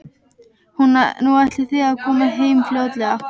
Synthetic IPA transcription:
hunnuajht̪lɪθiaðkʰɔːmaɦeːjmfljoːwt̪lɛɣa

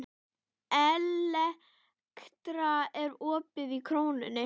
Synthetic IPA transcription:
ɛlɛ | kt̪ɾaɛɾɔːpɪðikʰɾoːwnʏ̰nːɪ

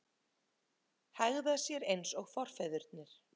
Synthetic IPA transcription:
haɣðasjɛɾejnsɔɣfɔr̥fɛðʏɾt̪nɪɾ̥

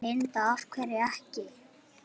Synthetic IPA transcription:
ɪnt̪aafkʰvɛɾɪɛhcɪ

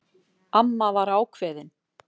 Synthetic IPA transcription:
amːavaɾaːwkʰvɛːðɪn

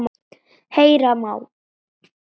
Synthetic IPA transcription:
m | hejɾamaw

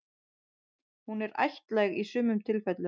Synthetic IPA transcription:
hunɛɾa̰jht̪lajɣisʏːmʏmt̪ʰɪlfɛt̪lʏ

